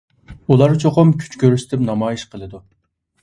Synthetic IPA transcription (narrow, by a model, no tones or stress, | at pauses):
ulˠɑɾt͡ʃʰoqʊmkʲʰy̥t͡ʃkʲøɾyst̪ʰɪpnɑmɑːjiʃqʰəlˠɨd̪u